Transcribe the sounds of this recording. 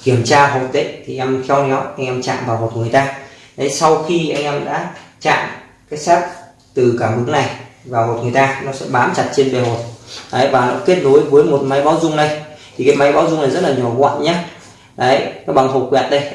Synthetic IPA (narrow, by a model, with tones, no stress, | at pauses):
ki˧˩əmt͡ɕaː˧ɦo˨˩t̪ḭ˧˨ŋt̪ʰi˨˩ʔɛ˧mt̪ʰɛ˧wnɔ˨˦wʔa˧jŋ̟ʔɛ˧mt͡ɕa̰ː˧˨mvaː˨˩wmo˨˩t̚ŋɨ˨˩əjt̪aː˧ | ɗə˨˦jsa˧wxi˧ʔa˧jŋ̟ʔɛ˧mɗa̰ː˧˥t͡ɕa̰ː˧˨m | kaː˨˦jsaː˦˥t̚ | t̪ɨ˨˩kaː˧˩ɓɨ˨˦ŋna˨˩jvaː˨˩wmo˨˩t̚ŋɨ˨˩əjt̪aː˧nɔ˨˦sɛ̰˧˥ɓaː˨˦mt͡ɕa˨˩t̚t͡ɕe˧nɓe˨˩ɦo˨˩t̚ɗə˨˦jvaː˨˩nɔ˨˦ke˦˥t̚ɗo˨˦jvəː˨˦jmo˨˩t̚ma˨˦jɓaː˨˦wzʊ˧ŋ͡mɗə˧jt̪ʰi˨˩kaː˨˦jma˨˦jɓaː˨˦wzʊ˧ŋ͡mna˨˩jzt̚laː˨˩ɲɔ˨˩kwa̰ː˧˨nɲaː˨˦ | ɗə˨˦jnɔ˨˦ɓa˨˩ŋɦo˨˩kwɛ̰˧˨nɗə˧j